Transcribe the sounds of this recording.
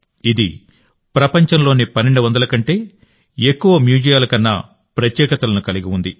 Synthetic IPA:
id̪ḭ | pɾɐpɐɲt͡ʃɐnlo̞ːnipɐnːeɳɖuʋɐnd̪ɐlɐkɐɳʈe̞ː | ekːuʋɐmjuːd͡ʒijaːlɐkɐnːɐ̰ | pɾɐt̪jɛːkɐt̪ɐlɐnukɐliɡiund̪i

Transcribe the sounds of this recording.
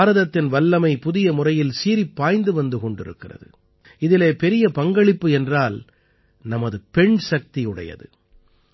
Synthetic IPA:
ɾɐðɐt̪ːɪnʋɐlːɐmɐɪpʊðɪjɐmʊrɐjɪlsiːɾipːaːjnd̪ɯʋɐnd̪ɯkɔɳɖɪɾɯ̰kːɪrɐ̰ðɯ̰ | ɪðɪleːpɛɾɪjɐpɐŋɡɐɭɪpːɯɛndraːl | nɐmɐðɯpɛɳsɐk̚t̪iɯɽɐ̰jɐ̰ðɯ

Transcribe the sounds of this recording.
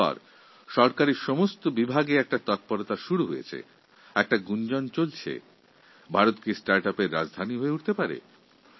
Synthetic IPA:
ɔ̰ɾ | ʃɔɾkaɾiɾʃɔmost̪obibʱaɡeɛk̚ʈat̪ɔt̪̚poɾot̪aʃuɾuɦojḛt͡ɕʰḛ | ɛk̚ʈaɡund͡ʑont͡ɕolt͡ɕʰḛ | bʱaɾot̪kisʈaɾʈapeɾːa̰d͡ʑd̪ʱaniɦoeuʈʰt̪epaɾḛ

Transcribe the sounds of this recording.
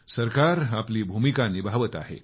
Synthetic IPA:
səɾkaɾapliːbʱumikanibʱaʋət̪a̰ɦḛ

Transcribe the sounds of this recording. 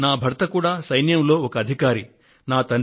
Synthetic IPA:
naːbʱɐɾt̪ɐkuːɽaːsɐjnjɐmlo̞ːɔkɐːd̪ʱikaːɾi | naːt̪ɐn

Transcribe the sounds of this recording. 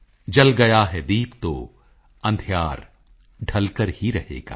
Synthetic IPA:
d͡ʒɐlɡɐjaɦɛd̪iːbt̪o̰ː | ɐ̃nd̪ʱjaːɾ | ɖʱɐlkəɾhiɾɐhḛːɡa̰ː

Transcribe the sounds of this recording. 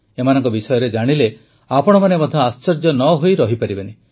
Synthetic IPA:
emanɔ̃ŋkɔbisɔjɔɾed͡ʒaɽ̃ile | apɔɽ̃ɔmanemɔd̪ʱjɔast͡ʃɔɾd͡ʒɔnɔɦojɾɔɦipaɾibani

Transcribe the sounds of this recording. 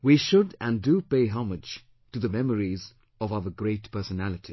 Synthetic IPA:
wiʃʊdɨ̃ndupeɪɦɑmɨ̥d͡ʒ | tɨðəmɛməɹiz | ʌvaəɡɹeɪtpʰɜ˞sənælˠɨtʰi

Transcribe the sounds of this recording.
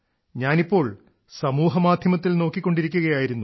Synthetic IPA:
ɲaːnipːo̞ːɭ | sɐmuːɦɐmaːd̪ʱjɐmɐt̪̬ːilno̞ːkːikʲːo̞ɳɖiɾik̬ʲːuɣɐjaːjiɾunːu

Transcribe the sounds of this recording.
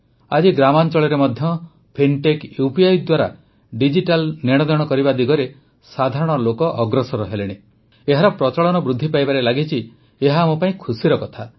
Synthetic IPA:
a̰d͡ʒiɡɾamant͡ʃɔɭɔɾemɔd̪ʱjɔ | pʰinʈekjupiajd̪waɾa̰ | ɖid͡ʒiʈalneɽ̃ɔd̪ɔɽ̃ɔkɔɾibad̪iɡɔɾe | sad̪ʱaɾɔɽ̃ɔlokɔʔɔɡɾɔsɔɾɔɦeleɽ̃e | eɦaɾɔpɾɔt͡ʃɔɭɔnɔbɾud̪ʱːipajbaɾelaɡit͡ʃʰi | eɦamopaĩkʰusiɾɔkɔt̪ʰa

